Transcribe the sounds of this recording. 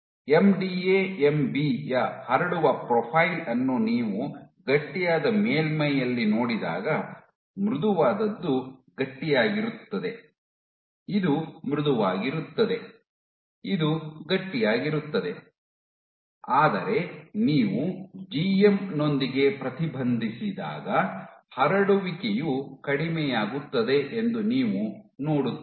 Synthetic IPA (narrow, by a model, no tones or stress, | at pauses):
e̞mɖiːeːembiːjɐhɐɾɐɽuʋɐpɾɔpʰɐjlɐnːuniːʋu | ɡɐʈːijaːd̪ɐmeːlmɐjɐlːino̞ːɽid̪a̰ːɡɐ | mɾud̪uʋaːd̪ɐd̪ːuɡɐʈːijaːɡiɾut̪ːɐd̪e | id̪umɾud̪uʋaːɡiɾut̪ːɐd̪e̞ | id̪uɡɐʈːijaːɡiɾut̪ːɐd̪e̞ | aːd̪ɐɾe̞niːʋud͡ʒiemno̞nd̪iɡe̞pɾɐt̪ibʱɐnd̪ʱisid̪a̰ːɡɐhɐɾɐɽuʋikejukɐɽimɛjaːɡut̪ːɐd̪e̞ʔend̪uniːʋunoːɽut̪ː